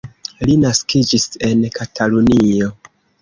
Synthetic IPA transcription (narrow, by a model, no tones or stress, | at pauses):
linaskʰid͡ʒise̞nkʰatʰalunio̞